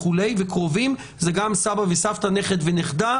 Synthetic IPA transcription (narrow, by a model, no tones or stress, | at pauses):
ulejvekʁo̞vim | zeɡamsabavesaft̪aneχed̪veneχd̪a